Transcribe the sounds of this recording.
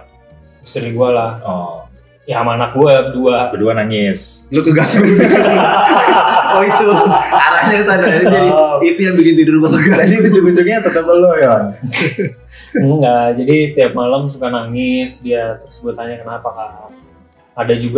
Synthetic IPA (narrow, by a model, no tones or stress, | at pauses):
isɾiɡualahɔ | jaamanak̚ɡuaəduakəduanaŋɪslot̪uɡaŋku | oit̪uaɾaɲasanad͡ʒadiit̪ujaŋbikɪnt̪iɾiluluəɡaadibut͡ʃubut͡ʃʊk̚ɲat̪ət̪əp̚əloja | m̩ad͡ʒadit̪iap̚malamsukanaŋɪsdiat̪ərsəbʊt̪haɲakənapakah | adad͡ʒuɡa